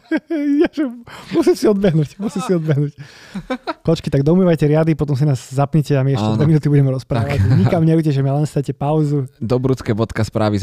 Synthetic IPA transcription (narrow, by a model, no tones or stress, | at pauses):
jaʒɛmusimsiɔd̪bɛɦnuːcmusimsiɔd̪bɛɦnuːc | kɔt͡ʃkit̪aɡ̚d̪ɔumiːʋajcɛɾɪad̪ipɔt̪ɔms̬inaːzːapɲɛcɛamiɛʃcɛdd̪ɛminuːt̪ibuɟɛmɛɾɔspɾaːʋɲikamɲɛujcɛʒɛmialɛnst̪acɛpaʊzud̪ɔbɾut͡skɛːbɔt̪kaspɾa̰ːʋi